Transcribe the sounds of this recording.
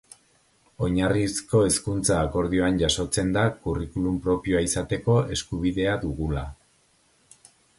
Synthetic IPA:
o̞ɲarisko̞e̞skunt͡saːko̞ɾðio̞anʝaso̞t͡se̞nd̪akurikulumpɾo̞pio̞aisat̪e̞ko̞e̞skuβ̞iðe̞aðuɣula

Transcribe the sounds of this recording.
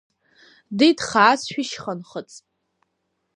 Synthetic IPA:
dejdχaːsʃᶣiʃχənχət͡sʼ

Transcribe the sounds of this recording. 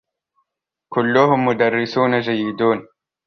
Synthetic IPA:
kʊlːʊhʊmːʊd̪arːɪsuːnad͡ʒajːɪd̪uːn

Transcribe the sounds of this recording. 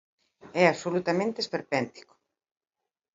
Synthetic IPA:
ɛaβsolut̪amẽnt̪espeɾpɛnt̪i̥ko̥

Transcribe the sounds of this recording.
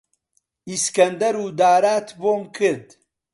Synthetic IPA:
iskɐnd̪ɐɾuːd̪aːɾaːt̪ʰboːmkʰɨɾd̪

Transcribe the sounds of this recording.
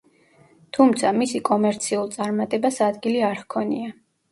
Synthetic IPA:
t̪ʰumt̪sʰamisikʼɔmɛɾt̪sʰiulˠt̪sʼaɾmat̪ʼɛbasad̪ɡiliaɾhkʰɔnḭa

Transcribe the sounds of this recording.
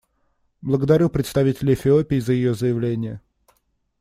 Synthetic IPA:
blˠəɡəd̪ɐɾʲupɾʲɪt̪st̪ɐvʲitʲɪlʲɪfʲɪopʲɪːzəjɪjozəjɪvlʲenʲɪjə

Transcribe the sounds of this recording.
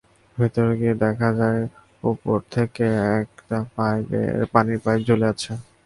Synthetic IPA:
bʱit̪oɾeɡied̪ɛkʰad͡ʑae | upoɾt̪ʰekeɛkʈapajbḛpaniɾpajd͡ʑoleat͡ɕʰe

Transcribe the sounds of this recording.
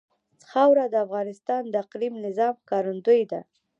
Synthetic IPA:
t͡sxawɾad̪əafɣɑnɪst̪ɑnd̪əaqlimnɪzɑmkɑɾund̪ujd̪a̰

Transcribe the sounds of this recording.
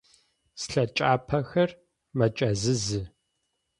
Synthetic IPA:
sɬɐt͡ʃʼaːpʰɐxɐr | mɐt͡ʃʼɐzɨzɨ

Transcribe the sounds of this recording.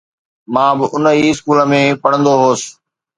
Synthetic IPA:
mãːbɪʔʊnəiɪskuːləmẽːpɐɽ̤̃ə̃nd̪oɦoːs

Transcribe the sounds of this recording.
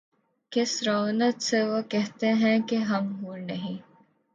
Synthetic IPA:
kesɾoːnɐt̪seʋokeɦt̪eːɦɛ̃ːkeɦɐmɦuːɾnɐɦĩ

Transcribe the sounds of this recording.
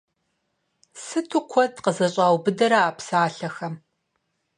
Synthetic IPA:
sɨtʰʊkʷʰɔdqəzɐɕʼaːwbɨdɐɾɐaːpsaːɬɐxɐm

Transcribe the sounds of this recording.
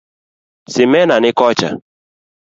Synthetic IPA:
sɪmɛnanɪkɔt͡ʃa̰

